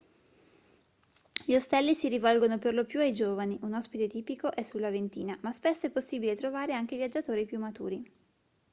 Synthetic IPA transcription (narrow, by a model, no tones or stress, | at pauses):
ʎiost̪ɛlːisiɾivɔlɡonoperlopjuajd͡ʒoːvaniʔunɔspit̪et̪iːpikoʔɛsːulːavent̪iːnamaspesːoɛpːosːiːbilet̪ɾovaːɾeaŋk̟evjad͡ʒːat̪oːɾipjumːat̪ṵːɾi